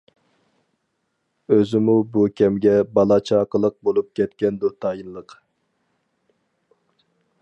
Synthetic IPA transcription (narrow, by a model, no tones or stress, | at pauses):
øzɪmubukʲʰɛmɡʲɛbɑlˠɑt͡ʃʰɑqəlˠəq̚bolˠup̚kʲɛt̪kʲɛnd̪ut̪ʰɑːjinlˠəq